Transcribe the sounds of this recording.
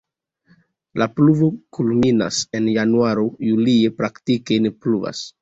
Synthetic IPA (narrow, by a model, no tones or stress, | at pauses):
lʔapluvo̞kulmina̰se̞njanuaɾojuliepɾaktikejnipluva̰s